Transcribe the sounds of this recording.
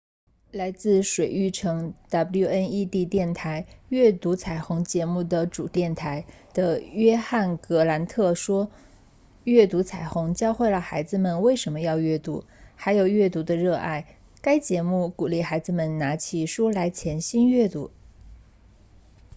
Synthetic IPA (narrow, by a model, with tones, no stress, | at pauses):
la˧˥ɪt͡sɹ̩˥˩ʂwe˨˩ɪy˥˩ʈ͡ʂʰɤ˧˥ŋt̪a˥pju˥˧ə˥ni˥˧t̪i˥˧t̪jɛ˥˩nt̪ʰa˧˥ɪɥɛ˥˩t̪u˧˥t͡sʰa˨˩ɪxʊ˧˥ŋt͡ɕjɛ˧˥mu˥˩d̪ə˩ʈ͡ʂṵ˨˩t̪jɛ˥˩nt̪ʰa˧˥ɪ | d̪̥ə˧ɥɛ˥xa˥˩nkɤ˧˥la˧˥nt̪ʰɤ˥˩ʂwɔ˥ | ɥɛ˥˩t̪u˧˥t͡sʰa˨˩ɪxʊ˧˥ŋt͡ɕjɑ˥ʊxwe˥˩ɪlə˩xa˧˥ɪd͡zɹ̩˧mə˨nwe˥˩ɪʂə˧˥nmə˧jɑ˥˧ʊɥɛ˥˩t̪u˧˥ | xa˧˥ɪjo˨˩ʊɥɛ˥˩t̪u˧˥d̪ə˧ɻɤ˥˧ʔa̰˥˩ɪ | ka˥ɪt͡ɕjɛ˧˥mu˥˩ku˨˩li˥˩xa˧˥ɪd͡zɹ̩˧˩mə˨˩nna˧˥t͡ɕʰi˨˩ʂu˥la˧˥ɪt͡ɕʰjɛ˧˥nɕi˥nɥɛ˥˩t̪u˧˥